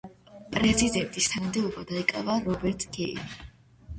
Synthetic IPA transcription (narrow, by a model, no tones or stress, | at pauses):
pʼɾɛzid̪ɛnt̪ʼist̪ʰanamd̪ɛubad̪aikʼa̰vaɾɔbɛɾt̪ʰɡɛḭ